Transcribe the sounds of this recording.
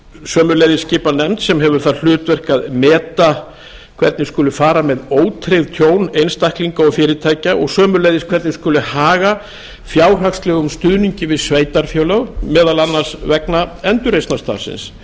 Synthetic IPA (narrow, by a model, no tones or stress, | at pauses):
sœːmʏlejðɪscɪːpanɛmt̪sɛmɦɛvʏɾ̥θaðl̥ʏːt̪vɛr̥kaðmɛːt̪a | kʰvɛɾt̪nɪskʏːlʏfaːɾamɛðoːwt̪ʰɾejðt̪ʰjoːwnejnst̪ahkliŋkaɔɣfɪːɾɪt̪ʰaːjcaʔɔ̰ɣsœːmʏɾlejðɪskʰvɛɾt̪nɪskʏːlʏhaːɣa | fjaːwr̥akst̪lɛːɣʏmst̪ʏðniɲcɪvɪðsveːjt̪aɾ̥fjoːwlœɣmɛːðalanːaɾ̥svɛknaɛnt̪ʏɾejstnast̪a̰ːɾsɪ̰ns